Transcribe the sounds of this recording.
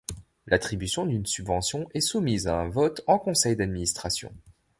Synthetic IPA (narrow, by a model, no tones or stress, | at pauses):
lʔat̪χibysjɔ̃d̪ynsybvɑ̃sjɔ̃ʔɛsumizaɛ̃vɔt̪ɑ̃kɔ̃sɛjd̪ad̪minist̪χasjɔ̰̃